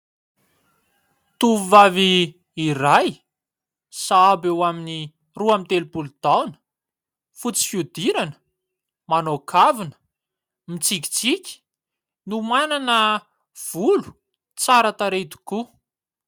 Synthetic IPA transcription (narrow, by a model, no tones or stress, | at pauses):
t̪uvuvaviː | raj | saabewamini | ruamint̪elupulud̪̥awnə̥ | fut͡si̥fjud̪iɾanə̥ | manokʰavinə̥ | mit͡sikʲi̥t͡sikʲi̥ | numananə | v̥ulu̥ | t͡saɾat̪aɾet̪u̥ku